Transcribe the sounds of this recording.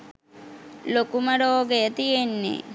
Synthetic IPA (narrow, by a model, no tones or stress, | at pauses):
lokuməɖoːɡejət̪ijenːḛ